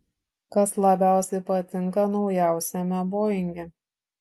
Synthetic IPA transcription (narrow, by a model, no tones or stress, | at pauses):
kɐslˠɐbʲæˑʊsʲɛɪpɐt̪ʲɪŋˑkɐnɒʊjæˑʊsʲɛmʲɛboːjɪŋʲɡʲɛ